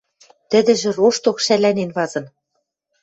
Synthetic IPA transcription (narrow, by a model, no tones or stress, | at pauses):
t̪ɘ̆d̪ɘ̆ʒɘ̆roʃt̪okʃælænenβɑzɤ̆n